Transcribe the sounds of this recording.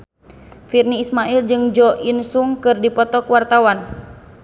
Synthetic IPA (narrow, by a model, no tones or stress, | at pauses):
firniːsmaʔild͡ʒɨŋd͡ʒɔʔinsuŋkɨrdipɔt̪ɔkwart̪awan